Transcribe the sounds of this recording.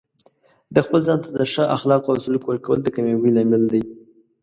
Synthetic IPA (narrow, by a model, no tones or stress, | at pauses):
d̪əxpəlzɑnt̪ad̪əʂəʔa̰xlɑqoasulkwlkawəld̪əkamawilɑmɪld̪aj